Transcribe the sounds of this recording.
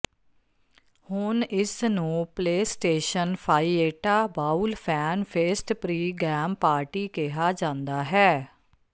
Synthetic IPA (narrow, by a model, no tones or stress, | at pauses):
hʊnɪsnũːpleːsʈeːʃənpʰaːiːeːʈaːbaːulpʰɛːnpʰeːsʈpɾiːɡɛːmpaːɾʈiːkɪɦaːd͡ʒãːnd̪aːɦɛː